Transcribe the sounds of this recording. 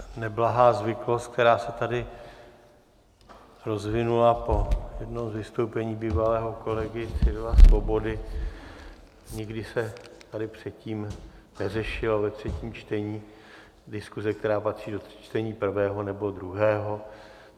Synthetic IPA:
nɛblaɦaːzvɪklo̞st̪̚k̚t̪ɛɾaːsɛt̪adɪ | ɾo̞zvɪnulapo̞jɛdnowzvɪst̪owpɛɲiːbiːvalɛːɦo̞ko̞lɛɡɪt̪sɪdvasvo̞bo̞dɪ | ɲɪɡdɪsɛt̪adɪpr̝̥ɛt̪ciːm | nɛrɛʃɪlovɛt̪r̝̥ɛciːmt͡ʃt̪ɛɲiː | dɪskuzɛkt̪ɛɾaːpat̪r̝̥iːdo̥t͡ʃt̪ɛɲiːpr̩vɛːɦonɛbo̞d̪ɾuɦɛːɦo̞

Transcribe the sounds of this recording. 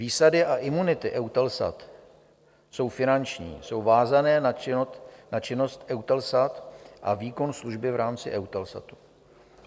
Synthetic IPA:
viːsadɪʔaʔɪmunɪt̪ɪʔɛwt̪ɛlsa̰t̪ | so̞wfɪnant͡ʃɲḭːso̞wvaːzanɛːt̪nat͡ʃɪno̞st̪ʔɛwt̪ɛlsat̪ʔa̰viːko̞nsluʒbɪvɾʔaːmt͡sɪʔɛwt̪ɛlsa̰t̪u̥

